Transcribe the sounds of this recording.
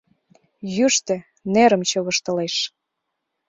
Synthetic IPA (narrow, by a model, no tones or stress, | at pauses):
jyʃt̪ĕ | neɾə̆mt͡ɕoβəʃt̪əleʃ